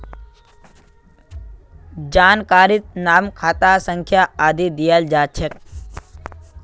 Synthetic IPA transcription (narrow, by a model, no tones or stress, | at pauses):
d͡ʒaːnkaːɾit̪̚naːmkʰaːt̪asə̃ŋkʰjaaːd̪ʱid̪ijəld͡ʒaːt͡ʃʰək̚